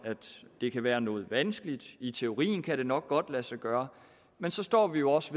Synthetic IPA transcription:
æd̥d̥e̝kʰæʋæːɐnɔ̽ːð̩ˠʋænsɡ̥əlid̥it͡sʰe̝o̝ʁḭːn̩kʰæɾ̥e̝nɒ̽ɡ̥̚ːɒ̽d̥læsæɡ̥ɶːɐ | mensɒ̽sd̥ɒ̰ːʋijo̝ɒ̽sʋe

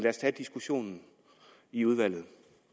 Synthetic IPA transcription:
læɐst͡sʰæd̥isɡ̥uɕo̝̰ːnn̩ | iuð̞ˠʋæl̰ð̞̩ˠ

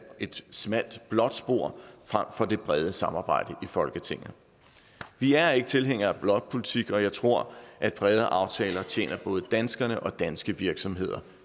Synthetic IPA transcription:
ʔe̝d̥smæl̰d̥b̥lɒ̽d̥sb̥o̝ɐ̰fʁam̰fɒ̽d̥e̝b̥ʁɛð̞ˠəsɑ̈mɑ̈ːb̥ɑ̈ɪ̰d̥əʔifɒ̽lɡ̥ət͡sʰe̝ŋ̰n̩ | ʋiæɐe̝ɡ̥ət͡sʰe̝lɦeŋ̰ɐæb̥lɒ̽ɡ̥̚pʰo̝lit͡sʰiɡ̥ɒ̽jɑ̈ɪt͡sʰʁo̝ɐ̰ʔæd̥b̥ʁɛð̞ˠəʔɑ̈ʊt͡sʰɛːlɐt͡ɕʰjḛːnɐb̥ɔ̽ːð̞ˠəd̥ænsɡ̥ɐnəʔɒ̽d̥ænsɡ̥əʋiɐɡ̥sɒ̽mɦe̝ð̞̰ˠɐ

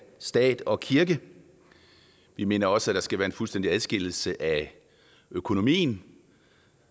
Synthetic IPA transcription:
sd̥ɛ̰ːd̥ɒ̽kʰiɐɡ̥ə | ʋime̝ːnɐɒ̽səæd̥ɑ̈sɡ̥æʋæːɐe̝nfulsd̥end̥iæðˠsɡ̥e̝l̰l̩səʔæ | økʰo̝no̝mḭːn

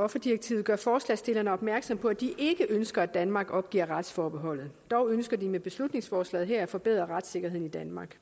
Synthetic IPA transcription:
ɒ̽fɐd̥iʁeɡ̥̚t͡sʰḭʊð̩ˠɡɶɐfɒːslɛ̰ːsd̥e̝lɐnəɒ̽b̥mæɐɡ̥sɒ̽m̰pʰɒ̽æd̥iʔe̝ɡ̥əʔønsɡ̥ɐæ̥ænmɑ̈ːɡ̥ɒ̽b̥̚ɡ̥ḭɐʁɑ̈d̥sfɒːb̥e̝ɦɒ̽l̰ð̞̩ˠd̥ɒʊønsɡ̥ɐdimeb̥e̝slud̥ne̝ŋsfɒːslɛ̰ːð̩ˠɦeɐæfɒ̽b̥e̝ð̞̰ˠʁɐʁɑ̈d̥se̝ɡ̥ɐɦe̝ðˠnid̥ænmɑ̈ɡ̥

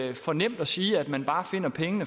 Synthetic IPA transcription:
fɒ̽nem̰d̥ɒsiːæd̥mænb̥ɑ̈ːfe̝n̰ɐpʰeŋənə

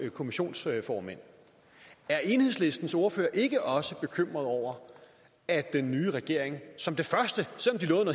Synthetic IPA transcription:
kʰo̝miɕo̝̰ːnsfɒːmen̰ | æɐʔe̝nhe̝ðˠsle̝sd̥n̩so̝ːɐføːɐʔe̝ɡ̥əʔɒ̽səb̥e̝kʰøm̰ʁɐðˠɒʊ̰ɐ | æd̥enːyːʁɛɡ̥e̝ɐ̰eŋsɒ̽md̥e̝fɶɐsd̥əsel̰ɒ̽md̥ilɔ̽ːðˠn

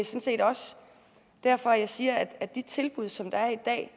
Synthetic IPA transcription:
esɔ̽nse̝̰ːd̥ɒ̽s | d̥æɐ̰fɒ̽æjɑ̈ɪsiːɐæd̥æ̥d̥it͡sʰe̝lb̥uð̞̰ˠsɒ̽md̥ɑ̈æɐid̥ɛ̰ː

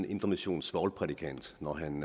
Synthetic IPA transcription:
nʔe̝nd̥ɐmiɕo̝̰ːnsʋɒːlpʰʁɛd̥ikʰæn̰d̥nɒɦæn

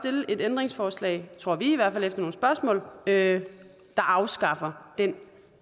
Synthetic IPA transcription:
d̥e̝ləʔe̝d̥end̥ʁeŋsfɒːslɛ̰ɪt͡sʰʁo̝ɐ̰ʋiiʋæɐ̥fælefd̥ɐno̝ːn̩sb̥ɶɐsmɔ̰̽ːlø | d̥ɑ̈ʔɑ̈ʊsɡ̥ɑ̈fɐd̥en

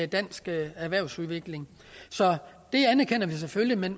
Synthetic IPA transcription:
d̥æn̰sɡ̥æɐʋæɐʊsuðˠʋe̝ɡ̥le̝ŋ | sɒ̽ | d̥e̝ænæɐkʰen̰ɐʋis̬eføljimen

